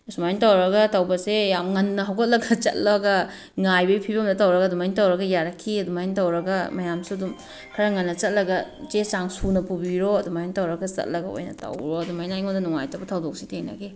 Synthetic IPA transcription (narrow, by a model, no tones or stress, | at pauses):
sumajntawɾɐɡɐtɐwbɐsejamŋɐnːɐɦawkʰat̚lɐɡɐt͡ʃɐ̰t̚laɡɐ | ŋajbɐipʰibɐmdɐtawɾɐɡaɐːdumajntawɾɐɡɐjaɾɐkʰːiɐdumajintawɾɐɡɐmɐjamsuɐdum | kʰɐɾɐŋɐnːɐt͡ʃɐt̚lɐɡɐt͡ʃesaŋsunɐpubiɾoɐdumajintawɾɐɡɐt͡ʃɐ̰t̚lɐɡɐo̰jnɐ̰tɐ̰wɾoɐdumajnajŋondɐnuŋa̰jtɐbɐtʰɐwdok̚sitʰeŋnɐ̰ɡe